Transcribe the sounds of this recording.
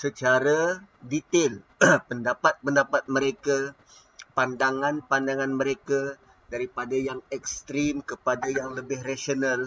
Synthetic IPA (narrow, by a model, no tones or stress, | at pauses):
sət͡ʃaɾadit̪ɪl | pəndapat̪̚pəndapat̪̚məɾeka | pandaŋanpandaŋanməɾeka | daɾipadajaŋɛkst̪ɾimkəpadajaŋləbɪhrasional